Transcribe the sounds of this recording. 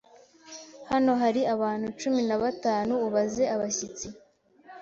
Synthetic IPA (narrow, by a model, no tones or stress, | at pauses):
hano̞ɦaɾiaβaːn̥hut͡ʃuminaβataːnuːβaze̞ʔaβasit͡si